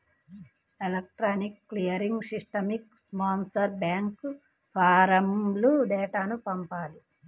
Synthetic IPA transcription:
elɐk̚ʈɾaːnikːlijɐɾiŋɡsiʂʈɐmikspaːnsɐɾbjaːŋk | pʰaːɾɐmbluɖɛːʈaːnupɐmpaːli

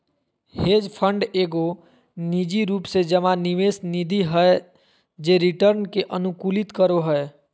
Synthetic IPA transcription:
heːd͡ʒpʰəɳɖeːɡo | nid͡ʒiɾuːpsed͡ʒəmãniʋesnid̪ʱiɦəe | d͡ʒeɾiʈəɾnkeʔənukulit̪kəɾoɦəe

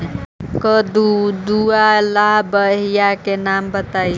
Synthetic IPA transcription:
kəd̪ud̪ualaɦbəɦijakenambət̪ai

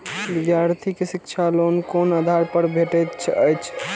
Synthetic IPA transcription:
bɪd̪jaɾt̪ʰikesikt͡ʃʰalonkonəd̪ʱaɾpəɾbʱeʈɛt̪t͡ʃʰəjt͡ʃʰ

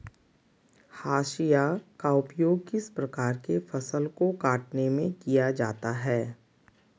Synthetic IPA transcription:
haːʃijakaʊpjoːɡkɪspɾɐkaːɾkefɐsəlkokaːʈnemẽkijad͡ʒaːt̪aɦɛː

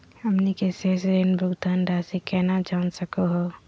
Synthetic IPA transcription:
ɐmnikesesɾenbʱʊɡt̪aːnɾaːsikɛːnad͡ʒaːnsəkoɦoː

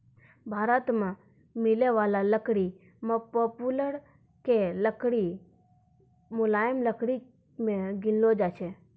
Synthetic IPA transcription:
bʱaɾət̪mã | mɪleʋalaləkɽi | mãpɔpuləɾ | keləkɽi | mʊlajəmləkʰɽi | mẽɡɪnlod͡ʒat͡ʃʰe

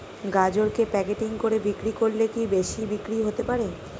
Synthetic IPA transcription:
ɡad͡ʑoɾkepɛkeʈiŋkoɾebikɾikoɾlekibeʃibikɾiɦot̪epaɾe

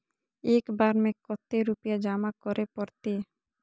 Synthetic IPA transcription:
ekbaɾmekːɔt̪ːeɾupijad͡ʑamakɔɾepɔɾt̪e

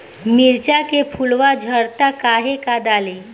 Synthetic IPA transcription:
miɾt͡ʃakepʰulʋad͡ʒʱəɽt̪akaːɦekad̪aːle

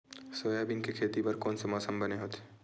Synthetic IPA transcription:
soːjabinkikʰeːt̪ipɐɾkɔːnsemɔːsəmbɐneɦoːt̪ʰe̥

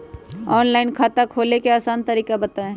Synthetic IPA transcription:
ɔːnlaːɪnkʰaːt̪akʰoːlekeaːsaːnt̪ɐɾiːkabɐt̪aẽ

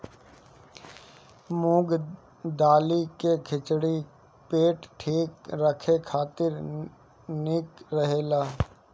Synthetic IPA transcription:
mũːɡ | d̪aːlikekʰɪt͡ʃɽi | peːʈʈʰiːkɾəkʰekʰaːt̪ɪɾ | nɪkɾəɦeːlaː

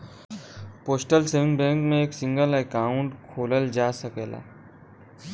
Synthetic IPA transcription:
poːsʈəlseːʋɪ̃ŋɡbɛ̃ːŋkmẽeːksɪ̃ŋɡəlɛkaːʊ̃ɳʈkʰoːləld͡ʒaːsəkeːla̰ː

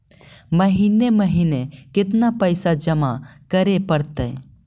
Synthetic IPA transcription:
məɦineməɦiːnekɪt̪napəjsad͡ʒəmakəɾepəɽt̪eː

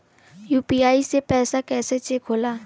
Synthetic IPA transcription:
juːpiaːisepɛːsakɛːset͡ʃekʰɦoːlaː

